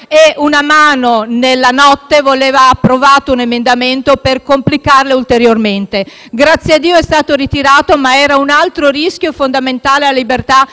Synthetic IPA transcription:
eunamaːnonelːanɔt̪ːevoleːvaːpːɾovaːt̪ounemend̪ament̪operkomplikarleult̪eɾjorment̪e | ɡɾat̪sːjead̪ːiːoɛst̪aːt̪oɾit̪iɾaːt̪omaɛːɾaunalt̪ɾoriskʲjofond̪ament̪aːleallibert̪a

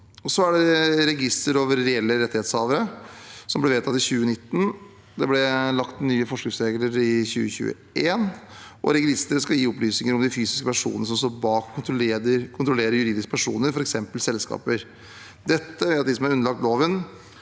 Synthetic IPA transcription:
ɔsɔæɖɛɾɛɡɪst̪əɾoːʋəɾːɛɛlːəɾɛt̪ːɪheːt̪shɑːʋəɾəsɔmblɛʋeːt̪ʰɑt̪ɪçʉːənɪt̪ːn̩ | d̪ɛblɛlɑkt̪nyːəfɔʂknɪŋsɾeːɡləɾɪçʉ̰ːəçʉ̰ːə̰ | ʔeːnʔɔ̰ɾɛɡlɪst̪əɾəskɑljiːɔplyːsnɪŋəɾɔmd̪ɪfyːsɪ̥skəpæʂṵːnəəʂɔmst̪oːɾbɑːkʰːʊɾleəkʰʊnt̪ɾɔleːɾəɾjʉɾiːd̪ɪskə̥pʰæʂṵːnəɾfɔɾɛksɛmpəlsɛlskɑ̰ːpəɾ | d̪ɛt̪ːəʋɛːɑt̪d̪ɪsɔmhæɾʉnːəlɑk̚t̪loːʋən

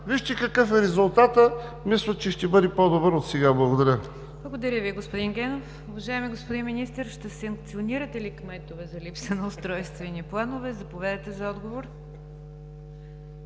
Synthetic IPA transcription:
viʃt̪ɛkɐkɤfɛɾɛzʊlˠt̪at̪əmislʲˠət̪t͡ʃɛʃt̪ɛbɤd̪ɛpɔd̪obəɾot̪sɛɡablˠɐɡod̪ɐɾʲə | b̥lˠɐɡod̪ɐɾʲjəviɛɡospod̪inɡɛnof | ʊvɐʒaɛmiɡospod̪inminist̪əɾʃt̪ɛsəŋk̚t̪sioniɾɐt̪ɛlikmɛt̪ovɛzɐlipsənɐʊst̪ɾɔjst̪vɛniplˠanovɛzɐpovɛd̪ɛt̪ɛzɐɔd̪ɡovoɾ

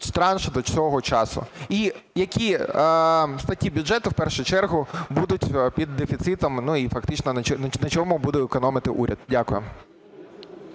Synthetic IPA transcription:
st̪ɾɑnʃɪd̪ɔt͡sʲɔɦɔt͡ʃɑsʊ̰ijɐkʲi | st̪ɐtʲːibʲʊdʒɛt̪ʊwpɛrʃʊt͡ʃɛrɦʊbud̪ʊtʲpʲid̪ːefʲit̪sɪt̪ɔmnuifɐkt̪ɪt͡ʃnɔnɐt͡ʃɔnɐt͡ʃɔmʊbud̪ɛɪkɔnɔmɪt̪ɪʔṵɾʲɐd̪̚dʲakʊjʊm

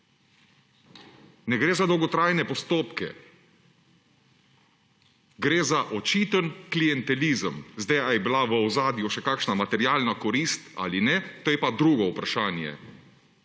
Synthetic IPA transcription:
nɛɡɾeːzad̪ɔwɡɔt̪ɾajnɛpɔst̪oːpkɛ̰ | ɡɾeːzaʔɔt͡ʃiːt̪ənklijɛnt̪ɛliːzəmzd̪ajajɛbilaʋəwzaːd̪juʃɛkaːkʃnamat̪ɛɾjaːlnakɔɾist̪a̰ːlinɛt̪oːjɛpad̪ɾuːɡɔupɾaʃaːnjɛ̰

